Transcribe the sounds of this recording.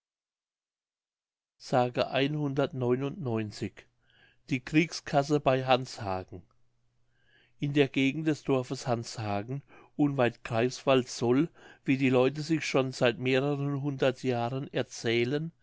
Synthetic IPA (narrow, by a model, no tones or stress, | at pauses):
z̥aːɡəʔaɪnhʊndɐtnɔʏnʊntnɔʏnt͡sɪç | d̥iːkʁ̥iːkskʰas̬əbaɪɦanshaːɡŋ̩ | ʔɪndeːɐɡeːɡŋ̩t̚d̥ɛsd̥ɔɐfəshanshaːɡŋ̩ʔʊnvaɪltkʁ̥aɪsv̥altz̥ɔlviːdiːlɔʏtəzɪçʃonzaɪtmeːʁəʁənɦʊndɐtʰjaːʁənɛɐt͡sɛːlən